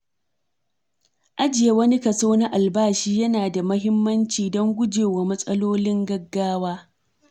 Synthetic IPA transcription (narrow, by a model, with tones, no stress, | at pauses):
ʔa˦d͡ʒɪ˨ja˨wɐ˦ni˦kɐ˨soː˦na˦ʔa˨lbaː˦ʃiː˦jɐ˦naː˨da˨mɐ˦ɦɪ˦mːɐ˦nt͡ʃiː˨dɔ˦ŋɡʷʊ˦d͡ʒeː˨wa˨mɐ˦sʼɐ˦loː˦lɪ˦ŋɡɐ˦ɡːaː˦waː˦